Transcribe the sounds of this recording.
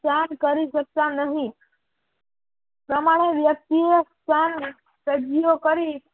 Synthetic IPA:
sankəɾiʃək̚t̪anəɦĩ | pɾəmaɽ̃eʋjək̚t̪iest̪ʰan | səd͡ʒijokəɾi

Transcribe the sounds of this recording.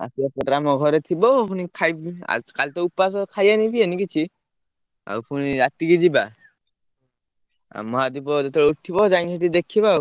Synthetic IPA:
a̰siapɔɾɾamɔɡʱɔɾet̪ʰibɔpʰunikʰajba̰kalt̪ɔupːas̬ɔkʰajanipʰienikit͡ʃʰi | a̰wpʰuniat̪iɡid͡ʒiba | a̰mɔɦad̪ibɔdet̪ʰɔut̪ʰːibɔd͡ʒaŋsʰeʈid̪ekʰːiba

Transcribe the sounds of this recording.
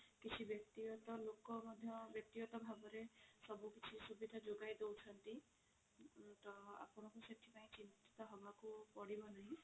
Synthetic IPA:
kit͡ʃʰibjɔk̚t̪iɔt̪ɔlokɔmɔd̪ʱjɔbjɔk̚t̪ijɔt̪ɔbʱabɔɾesɔbukit͡ʃʰisubid̪ʱad͡ʒoɡajd̪ewt͡ʃʰɔnt̪i | t̪ɔa̰pɔɽ̃ɔkuseʈ̪ʰipaĩt͡ʃint̪i̥t̪ɔɦɔbakupɔɽibɔnaɦĩ

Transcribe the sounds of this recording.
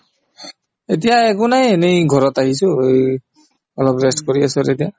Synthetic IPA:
et̬ijaɛkʊnajenejɡʱɔɹɔtaɦisʊej | ɔlɔpɹestkoɹiasɔtetija

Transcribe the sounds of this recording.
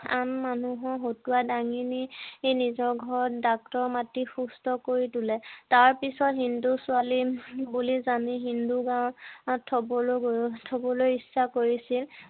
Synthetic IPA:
anmanuɦɔɦotuwadaŋiniejnizɔɹɡʱɔɹɔt̚dak̚tɔɹmatixustɔkoɹitulɛtaɹpisɔtɦindusualibulizaniɦinduɡãw̃tʰɔbɔlɡtʰobɔlojisːakoɹisil

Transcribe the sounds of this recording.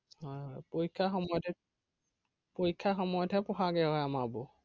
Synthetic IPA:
hɔjɦɔjpojkʰːaxɔmɔjɔtʰɛ | pojkʰːaxɔmɔjɔtʰɛpɔxaɡɛɦɔjamabɔ

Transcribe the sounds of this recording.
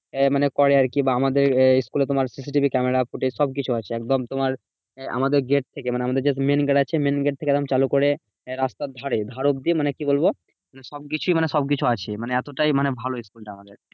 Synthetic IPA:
manekɔɾejaɾkibaamad̪eɾiskulet̪omaɾsis̬iʈibʱikɛmeɾafuʈeʃɔb̚kit͡ɕʰuat͡ɕʰeɛkd̪omt̪omaɾ | ʔa̰mad̪eɾɡeʈ̚t̪ʰekemaneamad̪eɾd͡ʑemenɡeɖat͡ɕʰemenɡeʈ̚t̪ʰeked̪omt͡ɕalukoɾe | ɾast̪ad̪ʱaɾed̪ʱaɾob̚d̪iemanekibolbo | maneʃɔb̚kit͡ɕʰujmaneʃɔb̚k̬it͡ɕʰuat͡ɕʰemaneɛt̪oʈajmanebʱaloiskulʈaamad̪eɾ

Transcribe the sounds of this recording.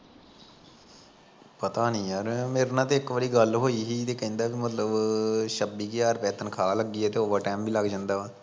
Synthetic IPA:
pət̪aːnĩːjaːɾmeːɾnãːt̪eːɪkʋəɽiːɡəlɦoːiːɦiːt̪eːkɛ̃nd̪aːkimət̪ləbʃəbiːkeːaːɾpɛːt̪ənkʰaːləɡːiːɛːt̪eːoːʋəʈɛːmbiːləɡd͡ʒãnd̪aː

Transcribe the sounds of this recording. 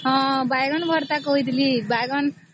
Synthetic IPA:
ʌ̃bajɡʌnbʱʌɾt̪akoɦjd̪ʱilibajɡʌn

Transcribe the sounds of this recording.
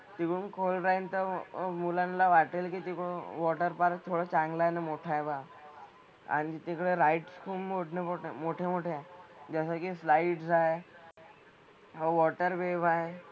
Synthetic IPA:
t̪ikɽunkʰolɾaint̪əmulanlaʋaʈelkiːt̪ikɽuʋɔʈəɾpaɾt̪ʰoɽət͡ɕãŋɡlajnamoʈʰajba | a̰ɽ̃it̪ikɽeɾaiʈskʰuːpmoʈnepoʈemoʈʰemoʈʰed͡ʑəsəkislajiʈsae | ɦaʋɔʈəɾbebʱae

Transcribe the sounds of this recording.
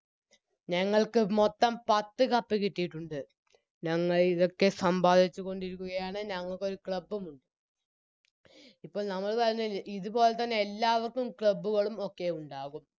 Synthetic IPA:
ɲɐŋːɐɭkɨmo̞t̪ːɐmpɐt̪ːɨkɐpːikiʈːijiʈːuɳɖɨ | ɲɐŋːɐɭiðo̞kːe̞sɐmbaːd̪ʱit͡ɕːuko̞ɳɖiɾukʲːuɣɐjaːɳɨɲɐŋːɐɭkːo̞ɾukɭɐbːumuɳɖɨ | ipːo̞ːɭnɐmːɐɭʋɐɾɐnːɐliðupo̞ːlet̪ːɐnːe̞elːaːʋɐrkːumkɭɐbːuɣɐɭumo̞kːe̞uɳɖaːɣum

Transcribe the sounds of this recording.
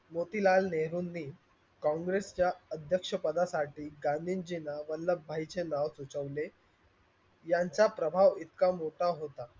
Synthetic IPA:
mot̪ilalneɦɾuːnːiː | kɔ̃ŋɡɾest͡ɕjaəd̪ʱjəkʂəpəd̪asaʈiːɡãnd̪ʱind͡ʑinaʋəlːəbbʱajit͡senaʋsut͡səʋle | jaɲt͡sapɾəbʱaʋit̪kamoʈaɦot̪a

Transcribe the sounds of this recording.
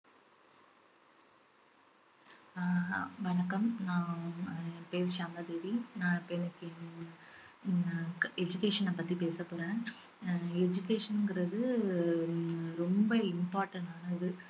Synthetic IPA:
ʋɐɳɐkːɐmnãː | peːsɪt͡ʃaːmat̪eːʋinãːɪpːɐɛnːɐkːɯ | ɛd͡ʒʊkeːʂɐnːɐpɐt̪ːipeːsɐpːoːɾẽː | ɛd͡ʒʊkeːʂɐnɯŋɡɪɾɐðɯ | ɾɔmbɐɪmpaːɾʈɐɳʈaːnɐðɯ

